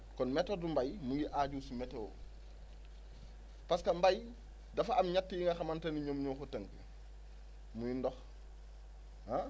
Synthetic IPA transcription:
kɔnmɛtodumbajmuŋɡiʔaɟusumetewo̰ | paskɐmbaj | dɐfaamɲatːijiŋɡaxamantɐniɲomɲokotɐŋkə | muɲindɔx | a

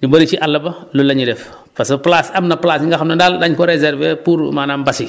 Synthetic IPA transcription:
ɲuboɾit͡ʃiʔalːɐbɐlulɐɲiɾef | pasɐplasɐmnɐplaːsiŋɡaxamnɐndaldaɲkoɾezɛɾvepuːɾ̰maːnambɐsi

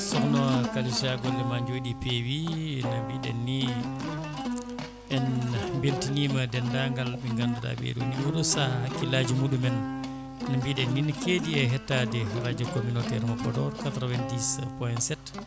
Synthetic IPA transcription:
sɔknɔkalisaɡɔlːɛmaɲd͡ʒoːɗipewinambiɗɛ̰nːi | ɛnmbeltinimadɛndaŋɡalbiŋɡanduɗa̰bḛɗṵniwudɔsahakːilad͡ʒumuɗumɛn | nambiɗɛnːinikediɛɦɛtːadɛɾad͡ʒɔkominɔtɛɾmɔpɔdɔɾkatɾɔvɛndispɔjnsɛt

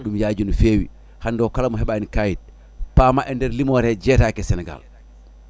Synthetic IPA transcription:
ɗumjaːd͡ʒunufewḭ | handɔkalamɔɦɛɓaːnikajid̚ | pamaʔɛndɛɾlimɔɾɛd͡ʒɛtakɛsɛnɛɡa̰l

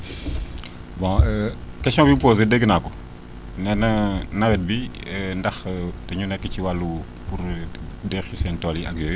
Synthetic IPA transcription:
bɔ̃əkɛsɔ̃bimpoːz̬ədəɡənakɔ | nɛnɐnɐwɛt̚bi | ndɐxtɐɲunɛkːəciwalːu | puɾdɛxusɛntɔliʔɐɡjo

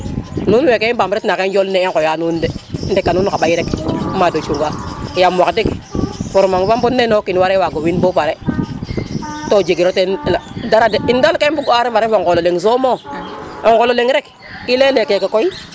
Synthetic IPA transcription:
nunwekeibamɾetnakenjolneeŋkojanundendekːanunkaɓajiɾekmadot͡ʃuŋɡakijamakdikfoɾmaŋfambunːenokiniwaɾewaɡowinbopaɾe | tod͡ʒeɡiɾotenladaɾadeindalkebuɡaɾemaɾefoŋkololeŋs̬omoeŋkololeŋɾek | ilelekekekoi

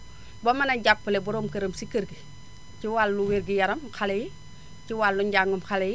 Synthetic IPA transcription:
bomɐnɐɟapːəlebuɾomkəɾɐmsikəɾɡi | ciwalːuweɾɡijɐɾɐmxaleji | ciwalːuɲɟaŋɡumxaleji

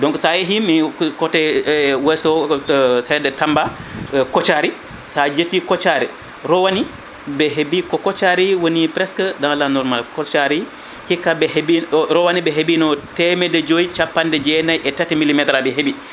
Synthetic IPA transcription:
dɔŋkɔsajeɦimikɔtɛwɛsɔ | hɛdɛtambakɔt͡ʃaɾi | sad͡ʒetːikɔt͡ʃaɾɛ | ɾɔwani | bɛɦebikɔkɔt͡ʃaɾiwonipɾɛskadalanɔɾmalkɔt͡ʃaɾi | hikːabɛhebiɾɔwanibɛɦebinɔtɛmɛdɛd͡ʒojit͡ʃapːandɛd͡ʒɛnajʔɛtatɛmilːimɛtɾabɛɦebi

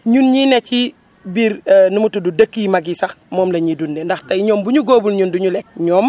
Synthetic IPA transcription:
ɲunɲinɛt͡ʃi | biɾnumutududəkːimaɡisɐxmɔːmlɐɲidundɛndɐxtɐjɲɔːmbuɲuɡoːbulɲunduɲulɛk̚ɲɔːm

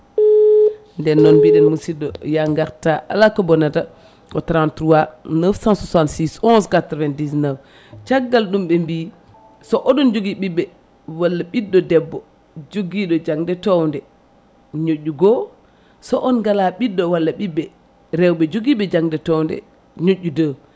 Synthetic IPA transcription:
ndɛnːɔnbiɗɛnmusidɔjaŋɡaɾtaʔalakɔbɔnada | kɔtɾantɾuwanəfsansusantsisɔnskatɾvɛndisnaf | t͡ʃaɡːalɗumɓɛmbi | sɔʔɔɗɔnd͡ʒoɡiɓibɛ | walːaɓidːɔdɛbːɔ | d͡ʒoɡiɗɔd͡ʒaŋdɛtɔwndɛ | ɲoʔːuɡɔ | sɔʔɔnɡalaɓidːɔwalːaɓibɛ | ɾɛwɓɛd͡ʒoɡiɓɛd͡ʒaŋdɛtɔwndɛ̰ | ɲoʔːudə

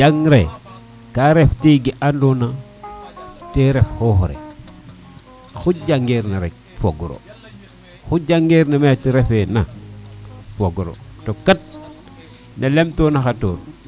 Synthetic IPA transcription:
d͡ʒaŋɾe | kaɾeftiɡiʔandona | teɾefhohoɾḛ | xud͡ʒaŋɡeɾnaɾek̚ | foɡuɾo̰ | xud͡ʒaŋɡeɾnametiɾefena | foɡuɾo̰tokat̚ | nelemtonaxatoɾ

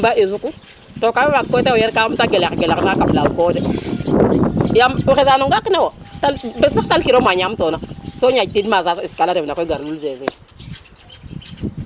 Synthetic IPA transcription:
baʔezukut | tokaemakkotewojeɾkaumtaɡelekɡeleknakaplawkode | jamuxezanoŋɡakinawo | talbesitalkiɾomaɲamtonasoɲatidmazasoiskalaɾevnakoɡaɾlulzezi

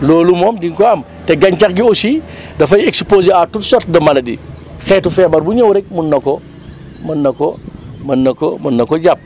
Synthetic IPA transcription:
loːlumɔːmdiŋkɔɐm | tɛɡɐɲt͡ʃakɡiosidɐfɐjekspoːziatutsɔtdɐmɐlɐdḭxɛːtufɛːbɐɾbuɲowɾɛk̚munːɐkɔ | mɐnːɐkɔmɐnːɐkomɐnːɐkɔɟap̚

